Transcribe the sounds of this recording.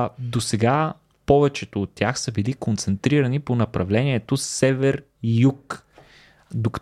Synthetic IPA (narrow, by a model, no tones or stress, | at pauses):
d̪osɛɡa | pɔvɛt͡ʃɛt̪oːt̪ːʲjaxsɐbilikont̪sɛnt̪ɾiɾɐniponɐpɾɐvlɛniɛt̪osɛvɛɾ | juk | d̪ok